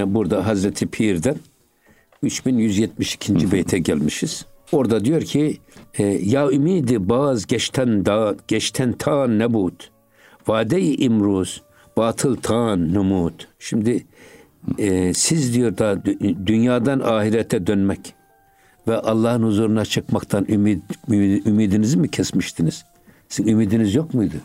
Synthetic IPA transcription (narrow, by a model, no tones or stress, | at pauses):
buɾd̪aɦazɾɛt̪ʰipʰiɾd̪ɛn | yt͡ʃbinjyzjɛt̪̚miʃi̥cʰind͡ʒibɛjt̪ʰɛɟælʲmiʃiz̥o̞ɾd̪ad̪ijo̞ɾcʰi | jaːymiːd̪ibaːzɟɛʃt̪ʰɛnd̪ɟ̥ɛt͡ʃt̪ʰɛnt̪ʰaːnːɛbuːt̪ | vaːd̪ɛjʔimɾuːz̥ | b̥aːt̪ʰɯlˠt̪ʰaːnːumuːt̪ʃimd̪i | sizd̪ijo̞ɾd̪ad̪ynjaːd̪anaːhiɾɛt̪ʰɛd̪ønmɛc | vɛʔɑlˠːɑːhɯnhuzuːɾunat͡ʃʰɯkmakt̪ʰanymid̪ymiːd̪inizimicʰɛsmiʃt̪ʰiniz̥ | siymiːd̪inizjokmujd̪u